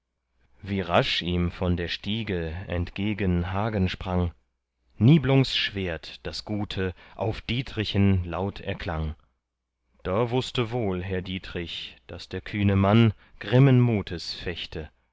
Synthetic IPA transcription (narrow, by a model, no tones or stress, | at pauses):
viːʁaʃʔiːmfɔndeːɐʃtiːɡəɛ̰ntɡ̥eːɡənɦaːɡənʃpʁ̥aŋ | niːblʊŋsʃv̥eːɐtd̥asɡ̥uːtʰəʔa̰ʊfd̥iːtʁɪçənlaʊtʰɛ̰ɐkʰl̥aŋ | d̥aːvʊstəvoːlɦɛɐdiːtʁ̥ɪçd̥asd̥eːɐkʰyːnəman | ɡ̥ʁɪmənmuːtʰəsfɛçtʰə